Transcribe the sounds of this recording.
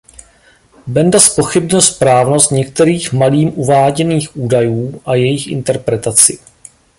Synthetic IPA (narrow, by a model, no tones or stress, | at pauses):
bɛndaspo̞xɪbɲɪlspɾaːvno̞st̪ɲɛkt̪ɛɾiːxmaliːmʔuvaːɟɛniːxʔuːdajuːʔajɛjɪxʔɪ̰nt̪ɛɾpɾɛt̪at͡sɪ